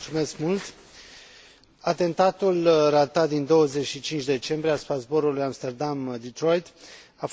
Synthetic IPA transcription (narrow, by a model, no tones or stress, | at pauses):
t̪sume̞skmult̪ | at̪e̞nt̪at̪ulrat̪at̪̚d̪ind̪o̞wəze̞t͡ʃʃit͡ʃint͡ʃd̪e̞t͡ʃe̞mbɾieaspazbo̞ɾulujamst̪e̞rd̪amd̪it̪ɾo̞jt̪af